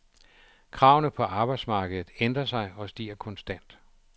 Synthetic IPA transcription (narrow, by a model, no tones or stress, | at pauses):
kʰʁɑ̈ʊnəpʰɒ̽ʔɑ̈ːb̥ɑ̈ɪd̥smɑ̈ːɡ̥əð̩ˠð̩ˠend̥ʁɐsɑ̈ɪɒ̽sd̥ḭːɐkʰɒ̽nsd̥æn̰d̥